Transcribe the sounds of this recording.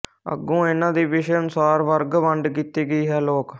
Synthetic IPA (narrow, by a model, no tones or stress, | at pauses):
ə̰ɡːũːeːnãːd̪iːʋɪʃənsaːɾʋəɾɡʋəɳɖkiːt̪iːɡəiːɦɛːloːk